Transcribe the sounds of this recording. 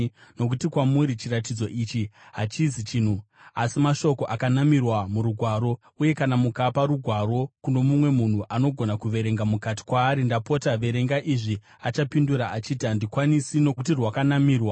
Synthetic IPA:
no̞k̬utikwamuɾit͡ʃirat̬id͡zo̞ʔiːt͡ʃiɦat͡ʃizit͡ʃiːn̤u | asimaʃo̞ko̞ʔakanamirwamuɾuɡʱwaːɾo̞ | uje̞kanamukapaɾuɡʱwaɾo̞kuno̞mumwe̞mun̤uʔano̞ɡʱo̞nakuʋe̞ɾe̞ŋɡamukati̥kwaːɾindapo̞taʋe̞ɾe̞ŋɡaʔiʐi | at͡ʃapinduɾaat͡ʃiːtiandikwanisinoutirwakanamiːrwa

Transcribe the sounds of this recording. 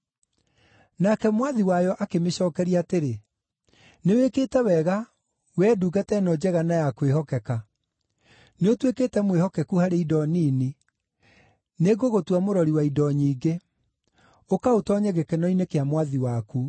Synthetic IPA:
nakɛmwaðiwajɔʔakemeɕɔːkɛɾiateɾe | newekeːtɛwɛɣa | wɛːduɡatɛnɔd͡ʑɛɣanajakweɦɔkɛka | neotwekeːtɛmwehɔkɛkuhaɾeidɔniːni | neɡoɣotwamoɾɔɾiwaidɔɲiːɡe | okaotɔɲɛɣekɛnɔinekeamwaðiwaku

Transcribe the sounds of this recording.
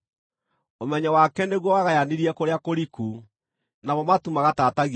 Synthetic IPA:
omɛɲawakɛneɣwɔwaɣajaniɾiɛkoɾeakoɾiku | namɔmatumaɣatataɣ

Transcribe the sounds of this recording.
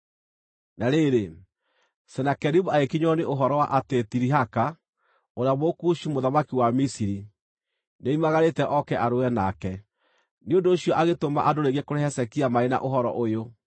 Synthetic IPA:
naɾeɾe | sɛnakɛɾiβoaekiɲɔneʔoɦɔɾɔwaʔatetiɾiɦaka | oɾeaβokuɕimoðamakiwamisiɾi | neimaɣaɾetɛʔɔkɛʔaɾoɛnakɛ | neondoːɕijɔʔaɣetoma̰ʔadoɾeɣekoɾɛɦɛsɛkiamaena̰ʔoɦɔɾɔ̰ʔojo

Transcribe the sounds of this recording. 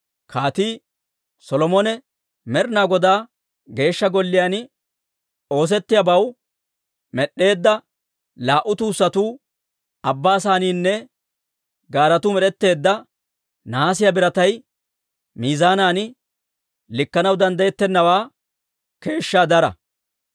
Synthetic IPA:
kʰaːt̪iː | sɔlɔmɔnɛ | mɛɾnaːɡɔd̪aː | ɡe̞ːʃːɐɡɔlːɪjanɪ | o̞ːs̬ɛt̪ːɪjabɐw | mɛɗːe̞ːd̪ːɐ | laːʔʊt̪uːsːɐt̪uː | ɐbːaːsaːniːnːɛ | ɡaːɾɐt̪ʊmɛɾɛt̪ːe̞ːd̪ːɐ | naːsɪjɐbɪɾɐt̪ɐj | miːzaːnaːnɪ | lɪkːɐnɐwd̪ɐnd̪ɐjɛt̪ːɛnːɐwaː | ke̞ːʃːaːd̪ɐɾɐ̰

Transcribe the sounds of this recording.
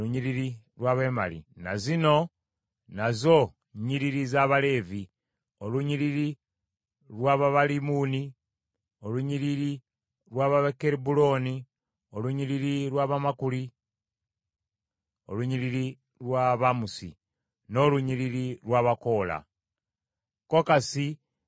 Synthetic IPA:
uɲiɾiɾi | lwaβe̞ma̰lḭna̰zino̞ | nazo̞ | ɲiɾiɾizaβale̞ːvi | o̞luɲiɾiɾi | lwaːβaβalimuːni | o̞luɲiɾiɾi | ɾwaβaβakeɾibulo̞ːni | o̞luɲiɾiɾiɾwaβamakuli | o̞luɲiliɾi | lwaːβamusḭ | no̞luɲiɾiɾiɾwaːβako̞ːla̰ | ko̞kasi

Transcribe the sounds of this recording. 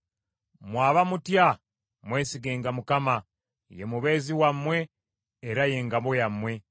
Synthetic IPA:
mwaːβamutja | mwe̞ːsiɡeːŋɡamukama | jḛmuβe̞ːziwamwe̞ː | ɾaje̞ːŋɡaβo̞jamːwe̞

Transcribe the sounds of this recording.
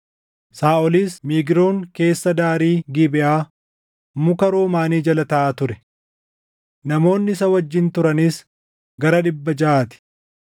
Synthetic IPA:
saːɔliːsmiːɡɪɾo̞ːŋke̞ːsːɐd̪aːɾiːɡɪbɪʔaː | mʊkɐɾoːmaːniːd͡ʒɐlɐt̪ɐʔaːt̪ʊɾɛ | nɐmo̞ːnːɪɪsɐwɐd͡ʒːɪnt̪ʊɾɐnis | ɡɐɾɐᶑɪbːɐd͡ʒɐʔaːt̪ɪ̥

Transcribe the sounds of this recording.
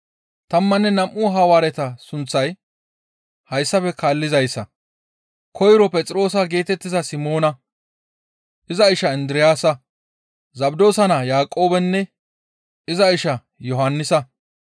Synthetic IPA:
t̪ɐmːɐnːɛnɐmʔʊɦɐwaːɾɛt̪ɐsʊnt͡sːɐj | hɐjsːɐfɛkaːlːɪzɐjsːɐ̰ | kʰɔjɾɔpʼɛt͡sʼɾo̞ːs̬ɐɡe̞ːt̪ɛt̪ːɪzɐsɪmo̞ːnɐ | ʔɪzɐɪʃɐɪnd̪ɪɾɪjaːsɐ | zɐbd̪o̞ːsɐnɐjaːkʼo̞ːbɛnːɛ | ɪzɐɪʃɐ | jɔɦɐnːɪsɐ

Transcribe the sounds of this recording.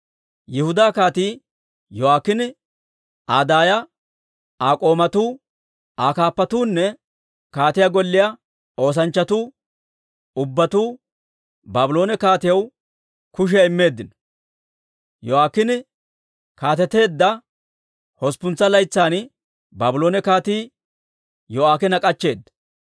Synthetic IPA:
jɪhʊd̪aːkaːt̪iː | jɔwaːkːɪnɪ | aːd̪aːjɐ | aːkʼo̞ːmɐt̪uː | aːkaːpːɐt̪uːnːɛ | kaːt̪ɪjɐɡɔlːɪjɐ | o̞ːs̬ɐnt͡ʃːɐt̪uː | ʊbːɐt̪uː | baːbʊlo̞ːnɛkaːt̪ɪjɐw | kʊʃ̬ɪjɐɪmːe̞ːd̪ːɪn | jɔaːkːɪnɪ | kaːt̪ɛt̪e̞ːd̪ːɐ | hɔspʊnt͡sːɐlɐjt͡sːaːn | baːbʊlo̞ːnɛkaːt̪iː | jɔaːkɛnɐkʼɐt͡ʃːe̞ːd̪ːɐ̥

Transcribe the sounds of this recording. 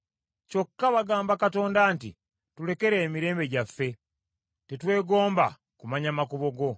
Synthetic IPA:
co̞kːaβaɡaːmbakato̞ːndaːntḭ | tule̞ke̞ɾe̞ːmiɾe̞ːmbe̞ɟafːe̞ | te̞twe̞ːɡo̞ːmba̰ | kumaɲamakuβo̞ɡo̞

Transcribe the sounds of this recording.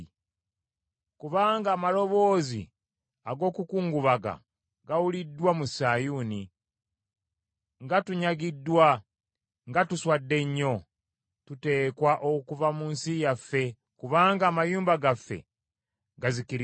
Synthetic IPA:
kuβaːŋɡaːmalo̞βo̞ːzḭ | aɡo̞ːkukuːŋɡuβaɡa̰ | ɡawulidːwamusaːjuːni | ŋɡatuɲaɡidːwa | ŋɡatuswadːe̞ɲːo̞ | tute̞ːkwaʔokuvamuːnsijafːe̞ | kuβaːŋɡaːmajuːmbaɡafːe̞̰ | ɡazikiɾ

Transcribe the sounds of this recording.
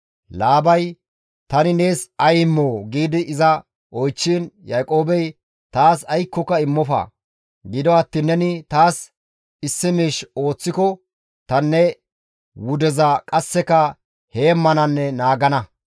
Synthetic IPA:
laːbɐj | t̪ɐnɪne̞ːsɐjɪmːoːɡiːd̪ɪɪzɐ | ɔjt͡ʃːinjajkʼo̞ːbɛj | t̪aːsɐjkːɔkːɐɪmːɔfɐ̰ː | ɡɪd̪ɔɐt̪ːinːɛnɪt̪aːs | ɪsːɪmiːʃo̞ːt͡sːɪkɔ | t̪ɐnːɛ | wʊd̪ɛzɐkʼɐsːɛkɐ | heːmːɐnɐnːɛnaːɡɐnɐ

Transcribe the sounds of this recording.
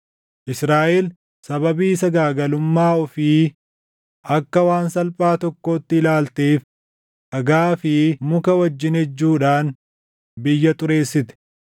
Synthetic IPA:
ʔɪsɾaːʔeːl | sɐbɐbiːsɐɡaːɡɐlʊmːaːɔfiː | ʔɐkːɐwaːnsɐlpʼaːt̪ɔkːo̞ːt̪ːɪɪlaːlt̪eːf | ʔɐɡaːfɪmʊkɐwɐd͡ʒːɪnhɛd͡ʒːuːᶑaːn | bɪjːɐt̪ʼʊɾe̞ːsːɪt̪ɛ̥

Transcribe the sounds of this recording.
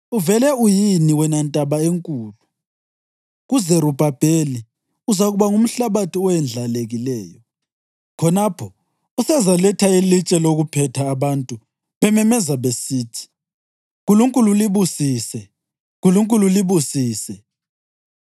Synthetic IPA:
uvɛlɛujiniwɛnantʼaβaeŋkʼuːlu | ɣuzɛɾub̥ʱab̥ʱeli | uzaɣuβaŋum̩ɬaβatʰiɔɛnd͡ɮʱaleɣilɛːjɔ | kʰɔnapʰɔ | usɛzalɛtʰailit͡ʃʼɛloɣupʰɛtʰaːβantʼu | βɛmɛmɛzaβesiːtʰi̥ | ɣuluŋkʼululiβusiːsɛ | ɣuluŋkʼululiβusiːsɛ

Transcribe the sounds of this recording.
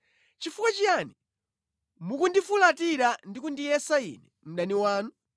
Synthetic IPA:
t͡ʃifukat͡ʃiani | mukundifulatiɾandikundijɛsaḭːnɛ | m̩ɗaniwaːnu

